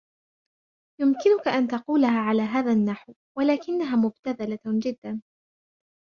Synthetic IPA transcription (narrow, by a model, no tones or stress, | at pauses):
jʊmkɪnʊkaʔant̪ɑquːlaɦaːʕalaːɦaːðanːaħw | walaːkɪnːaɦaːmʊbt̪aðalad͡ʒɪd̪ːan